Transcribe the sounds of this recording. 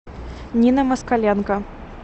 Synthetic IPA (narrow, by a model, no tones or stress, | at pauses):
nʲinɐmɐskalʲɛnkɐ